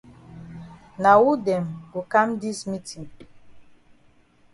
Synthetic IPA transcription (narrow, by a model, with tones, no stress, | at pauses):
na˨wu˦dɛ˨mɡo˨ka˦mdi˦smi˦tʰĩ˨ŋ